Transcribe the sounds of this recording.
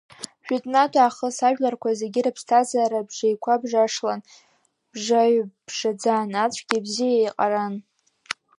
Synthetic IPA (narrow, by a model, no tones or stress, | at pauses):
ʒᶣatʼnatʷʰʼaːχəsaʒᶣlarkʷazeɡʲɪɾapʰstʰazaɾabʐejkʷʰabʐaʂlan | b̥ʐaɥb̥ʐad͡zaːnat͡ɕʷʰɡʲibzijajqʼaɾan